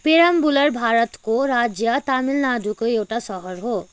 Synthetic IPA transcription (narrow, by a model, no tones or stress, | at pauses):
peɾambulʌɾbʱaɾʌt̪koɾad͡zjʌt̪amilnad̪ʱukoewʈasʌɦʌɾɦo